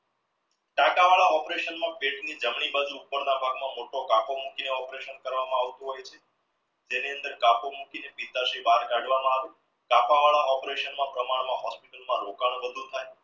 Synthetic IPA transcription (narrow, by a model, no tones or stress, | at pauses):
ʈakaʋaɭaɔpɾeʃənmãpeʈnid͡ʒəmɳibad͡ʒuːpːəɾnabʱaɡmãmoʈokapomukineɔpɾeʃənkəɾʋamãaʋt̪oɦojt͡ʃʰe̥ | d͡ʒeniənd̪əɾkapomukinepit̪aʃibaɾkaɖʋamãaʋe | kapaʋaɭaʔɔpɾeʃənmãpɾəmaɽmãɦɔspiʈəlmãɾokaɳ̃bəd̪ʱut̪ʰaj